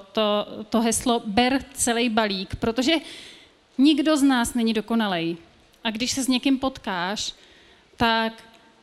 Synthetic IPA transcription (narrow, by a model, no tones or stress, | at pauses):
t̪ot̪o̞ɦɛslobɛɾt͡sɛlɛjbaliːkpɾot̪o̞ʒɛ | ɲɪɡdo̞znaːsnɛɲɪdo̞ko̞nalɛj | ʔaɡdɪʃsɛzɲɛkɪmpo̞t̪kaːʃ | t̪ak